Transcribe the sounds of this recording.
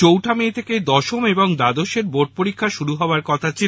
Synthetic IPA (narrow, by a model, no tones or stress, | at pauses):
owʈʰamet̪ʰeked̪ɔʃomeboŋd̪ad̪oʃeɾboʈ̚poɾikʰːaʃuɾuɦɔoaɾkɔt̪ʰat͡ɕʰi